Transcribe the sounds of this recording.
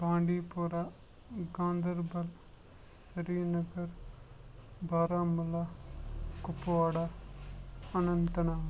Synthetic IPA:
bãːɳɖiːpoːɾaː | ɡãːnd̪əɾbɐl | sɐɾiːnɐɡəɾ | bʱaːɾaːmʊla | kʊpoaːɽaː | ɐnɐnt̪ɐnaː

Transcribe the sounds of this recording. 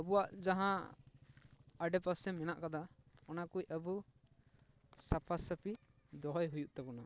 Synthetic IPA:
əbuwaʔd͡ʒaɦã | əɖɛpasɛmɛnaʔkad̪aɔnakucəbu | sapʰasəpi | d̪ɔɦɔjɦujuʔt̪ɛbuna

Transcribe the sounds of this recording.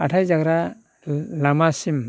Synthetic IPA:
aʈʰajzaɡɾa | lamasim

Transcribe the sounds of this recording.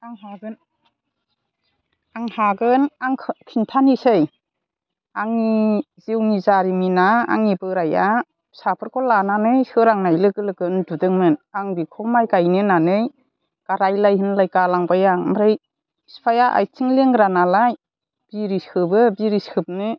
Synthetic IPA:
aŋɦaɡɯn | aŋhaɡɯnaŋʰkʰintʰanisɯj | aŋi | ziwnizaɾiminaa̰ŋibɯɾaja | sapʰɯɾkʰɔlananɯjsɯɾaŋnajlɯɡɯlɯɡɯndudɯŋmɯnaŋbikʰɔmajɡajnɯnanɯj | ɡ̥aɾajlajhɯnlajkalaŋbajamaɾɯj | spʰajaʔa̰jtʰiŋleŋɡɾanalaj | b̥iɾiskʰɯbɯbiɾiskʰɯb̚nɯ

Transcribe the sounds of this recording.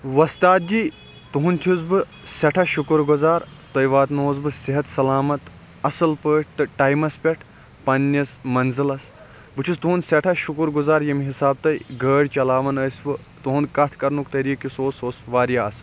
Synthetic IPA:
ʋɐst̪aːt̪̚d͡ʒiː | t̪uɦunt͡ʃ̪ʰusbɨ | sɐʈʰɐʃukɾɡuzaːɾ | t̪ɐjʋaːt̪noːzbɨsiɦɐt̪sɐlaːmɐt̪ | ɐsɨlpəːʈ̚ʰt̪ɨʈɐjmɐspʲɐʈʰ | pɐnːjɐsmɐnzɨlɐs | bɨt͡ʃʰust̪uɦunsɐʈʰɐʃukɾɡuzaːɾjɐmɦisaːb̚t̪ɐjɡəːɽʲt͡ʃɐlaːʋɐnɐːsʋɨ | t̪uɦunkɐt̪ʰkɐɾnukt̪ɐɾiːkisoːsoːsʋaːɾjaɐs

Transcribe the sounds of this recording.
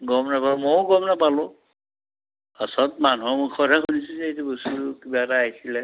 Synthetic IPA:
ɡɔmnapalmoɡɔmnapalɔ | asɔtmanuɦɔmukʰɔdʱakʰunisuzɛetɛbostukibaɛtaːɦjsilɛ

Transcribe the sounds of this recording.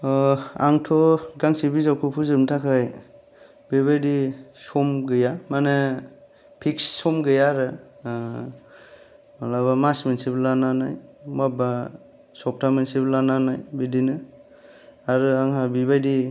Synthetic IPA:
a̰ŋtʰɔɡaŋsibizawkʰupʰuzɯmtʰakʰaj | biβajdisɔmɡɯjamane | pʰiksːɔmɡɯjaɾɯ | alabamasmensiblananajmaba | sɔp̚tʰamensiblananajbidinɯ | aɾɯaŋɦabiβajdi

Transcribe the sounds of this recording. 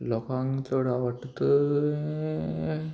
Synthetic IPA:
lɔkãŋt̪oɽaʋəʈt̪ə

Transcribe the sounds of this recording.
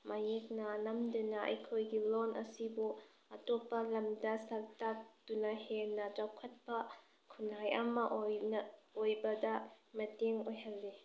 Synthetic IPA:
mʔajek̚nɐnɐmdunaɐ̰jkʰojɡilonʔɐsibu | ɐtɔpɐlɐmdɐsɐltaktunɐhenɐd͡ʒawkʰɐt̚pɐ | kʰunajɐmɐʔnojbɐdɐmɐteŋojɦɐlːi

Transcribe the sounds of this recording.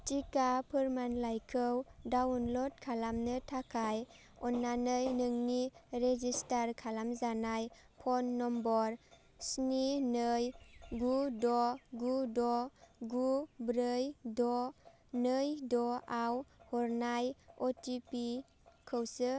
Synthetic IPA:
tikapʰɯɾmanlajkʰɯwdawnlɔd̚kʰalamnɯtʰakʰaj | ɔnːanɯjnɯŋniɾezistaɾkʰalamzanaj | pʰɔnːɔmbɔɾ | sninɯjɡudɔɡudɔɡubɾɯjdɔ | nɯjdɔawhɔɾnajɔtipi | kʰɯwsɯ

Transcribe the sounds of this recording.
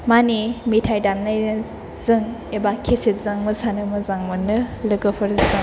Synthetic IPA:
manimitʰajdamna | z̥ɯŋebakʰːesit̚zaŋmɯsanɯmɯzaŋmɯnɯlɯɡɯpʰɯɾzizɯŋ

